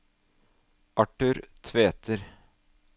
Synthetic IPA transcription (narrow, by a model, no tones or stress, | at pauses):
ʔɑʈʉːɾt̪ʰʋeːt̪ʰəɾ